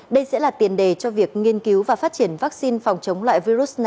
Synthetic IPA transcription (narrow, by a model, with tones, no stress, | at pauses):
ɗə˧jsɛ̰˧˥laː˨˩t̪i˨˩ənɗe˨˩t͡ɕɔ˧vi˨˩ək̚ŋi˧ənki˨˦wvaː˨˩faː˦˥t̚t͡ɕi˧˩ənvaː˦˥k̚si˧nfa˨˩wŋ͡mt͡ɕə˨˦wŋ͡mlwa̰ː˧˨jvi˧zu˦˥t̚na˨˩